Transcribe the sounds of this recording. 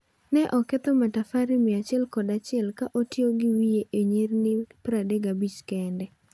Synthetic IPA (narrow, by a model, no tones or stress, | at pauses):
nɛʔɔkɛt̪ɔmatafaɾɪmɪat͡ʃɪɛlkɔdat͡ʃɪɛlkaʔotjoɡɪwijeʔeɲernɪpɾadeɡabit͡ʃkɛndɛ